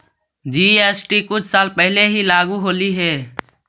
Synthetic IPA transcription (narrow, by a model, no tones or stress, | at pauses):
d͡ʒiːeːsʈiːkʊt͡ʃʰsaːlpəɦɪleɦiːlaːɡuːɦoːliːɦɛː